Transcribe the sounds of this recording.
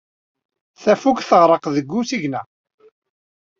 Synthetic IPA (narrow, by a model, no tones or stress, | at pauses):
θæfukθəʁɾˤəqðəɡːusiʝnæ